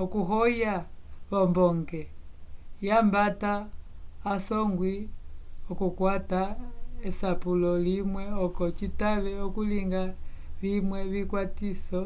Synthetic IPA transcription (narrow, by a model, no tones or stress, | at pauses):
ɔkuɦɔjaβɔmbɔŋɡɛ | jambataː | sɔŋɡwi | ɔkukwataɛsapulɔlimwɛɔkɔt͡ʃitaβɛɔkuliŋɡaβimwɛβikwatisɔ